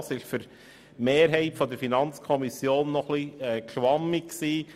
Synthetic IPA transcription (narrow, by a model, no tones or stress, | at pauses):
sɪʃfyɾ | meːɾɦɛɪtfɔd̪əɾfinɑnt͡skʰɔmisjoːnːɔχliɛːkʃʋɑmːɪkksiː